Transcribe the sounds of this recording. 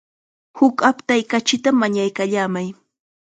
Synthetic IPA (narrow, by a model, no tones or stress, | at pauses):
hʊkapt̪ajkat͡ʃɪt̪amaɲajkaʎaːmaj